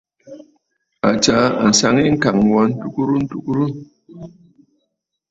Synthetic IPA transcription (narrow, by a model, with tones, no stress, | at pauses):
a̰˨t͡ʃa˨˦a̰˨n̩˨sa˦ŋi˦ŋ̩˦ka˨ŋ˨wa˨˦n̩˦tu˦ku˦ɾu˦n̩˦tu˦ku˦ɾu˦